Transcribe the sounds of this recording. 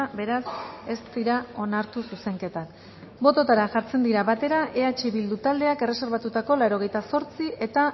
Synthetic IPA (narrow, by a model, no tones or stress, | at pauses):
be̞ɾase̞st̪iɾao̞naɾt̪ususe̞ŋke̞t̪ak | bo̞t̪o̞t̪aɾaʝaɾt͡se̞nd̪iɾaβat̪e̞ɾaʔe̞at͡ʃiβild̪ut̪ald̪e̞ake̞re̞se̞ɾβat̪ut̪ako̞lawɾo̞ɣ̞e̞jt̪aso̞ɾt͡siʔe̞t̪a